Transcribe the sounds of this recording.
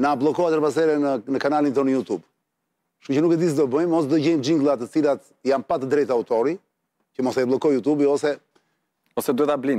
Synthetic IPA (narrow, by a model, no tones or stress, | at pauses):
nablˠɔkɔat̪ɾpas̬ɛɾɛnənəkanalint̪ɔnəjut̪ub | ʃucənukɛd̪is̬d̪ɔbəjmɔsd̪ɔɟɛmd͡ʒiŋɡlˠat̪ɛt͡silat̪ | janpat̪əd̪ɾɛjt̪aut̪ɔɾi | cəmɔsɛɛblˠɔkɔjut̪ubiɔsɛ | ɔsɛd̪uɛt̪ablin